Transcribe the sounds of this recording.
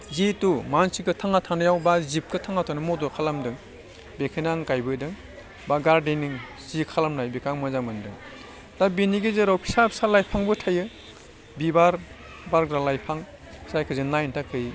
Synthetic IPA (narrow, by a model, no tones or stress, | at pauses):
zitumansikɯtʰaŋatʰanajawbazip̚kɯtʰaŋatʰanɯmɔdɔkʰalamdɯŋ | bekʰɯjnaŋkajbɯdɯŋ | baɡaɾdeniŋ | zikʰalamnajbekʰaŋmɯzamɯndɯŋ | tabiniɡezeɾawkʰi̥sap̚salajpʰaŋbɯtʰajɯ | bibaɾ | baɾɡɾalajpʰaŋ | sajkʰɯzɯnajntʰakʰɯj